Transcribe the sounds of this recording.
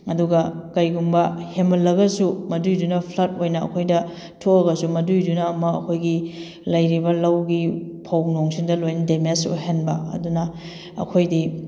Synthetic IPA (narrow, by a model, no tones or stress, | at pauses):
ɐduɡɐkɐjɡuŋbɐhemɐlːɐɡɐsumɐdujdunɐpʰlɐt̚ojnɐɐ̰kʰojdɐ | tʰoɐɡɐsumɐdujdunɐːmɐɐ̰kʰojɡi | lɐjɾibɐlɐwɡipʰɐwnoŋsindɐlojnɐdemesṵɦenbɐ̰ɐ̰dunɐ | ɐ̰kʰojdi